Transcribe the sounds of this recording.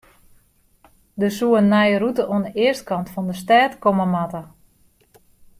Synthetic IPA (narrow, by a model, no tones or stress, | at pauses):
dəsuənːɛjərutəʔoənəʔɪəstkɑntfɔndəstɛːtkoməmatə